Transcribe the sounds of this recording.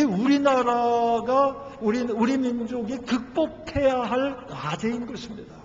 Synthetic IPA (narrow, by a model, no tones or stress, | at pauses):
euɾinaɾaɡa | uɾiuɾimind͡ʑoɡikɯk̚p͈opʰe̞jaɦaɭkwad͡ʑeinɡʌɕʰimɲida